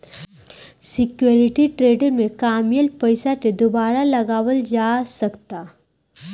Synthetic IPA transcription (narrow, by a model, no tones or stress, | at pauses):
sɪkjoɾɪʈiʈɾeːɖəɾmẽkaːmjəlpɐɪsaked̪ʊbaːɾalɐɡaːʋəld͡ʒaːsɐkt̪aː